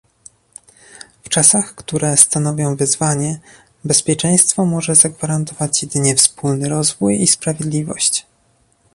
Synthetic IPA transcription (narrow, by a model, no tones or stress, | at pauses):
ft͡ʂasaxkt̪uɾɛst̪anɔvʲjɔ̃w̃vɘzvaɲɛ | bɛspʲjɛt͡ʂɛ̃j̃st̪fɔmɔʐɛzaɡvaɾant̪ɔvat͡ɕjɛd̪ɘɲɛfspulnɘɾɔzvujispɾavʲjed̪lʲivɔ̰ɕt͡ɕ